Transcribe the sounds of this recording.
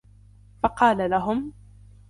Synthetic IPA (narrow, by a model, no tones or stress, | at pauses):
fɑqɑːlalaɦʊm